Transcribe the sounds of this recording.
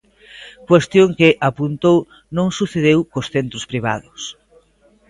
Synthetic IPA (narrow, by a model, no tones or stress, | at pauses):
kwest̪joŋkɪʔapunt̪ow | nõŋsuθeðewkʊsθent̪ɾʊspɾiβa̰ðʊs